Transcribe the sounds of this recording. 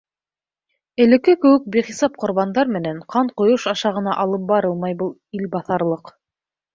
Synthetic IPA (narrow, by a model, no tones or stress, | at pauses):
ɘ̆lɘ̆kɘkɘ̆wɘk̚biχisɑp̚qŏɾβɑnd̪ɑɾmɘ̆næɴqʰɑɴqŏjoʃɑʃɑʁɤ̆nɑʔɑlˠɤp̚bɑɾɤlˠmɑjbɤlˠilbɑθɑɾlˠɤq